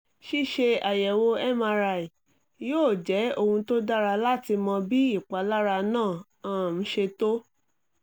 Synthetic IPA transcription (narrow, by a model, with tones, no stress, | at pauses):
ʃi˦ʃe˧a˨jɛ˨wo˧ɛ˦˨mã˧ɾa˧˨i˨ | joː˦˨d͡ʒɛ˨˦o˦˧hũ˧to˦da˦ɾa˧la˦ti˧mɔ̃˧bi˦i˦˨k͡pa˨˦la˦ɾa˧nãː˦˨ | ã˦˨m̩˨˦ʃe˧to˦